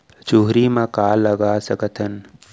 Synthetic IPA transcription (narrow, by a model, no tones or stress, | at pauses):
t͡ʃuɦɾimãkaːlːəɡasəkət̪ʰən